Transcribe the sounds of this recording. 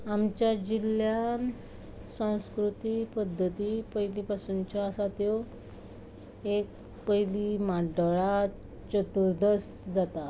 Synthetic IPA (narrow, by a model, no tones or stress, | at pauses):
amt͡ɕjad͡ʑiljan | sãw̃skɾut̪ipəd̪ʱːət̪ipəjlipasunt͡ɕɔasat̪jo | ek̚ | pəjlimaɖəɭa | t͡ɕət̪uɾd̪əs | d͡zat̪a